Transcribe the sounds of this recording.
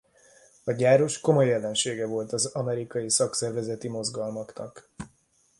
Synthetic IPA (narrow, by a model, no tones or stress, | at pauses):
ɒɟaːɾo̞ʃko̞mo̞jːɛlːɛnʃeːɡɛvo̞lt̪ɒzɒmɛɾikɒjisɒksɛrvɛzɛt̪imo̞zɡɒlmɒknɒ̰k